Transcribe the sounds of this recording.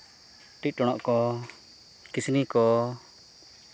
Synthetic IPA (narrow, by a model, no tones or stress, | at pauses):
ʈic̚ʈɔɽ̃ɔʔkɔ | kisnikɔ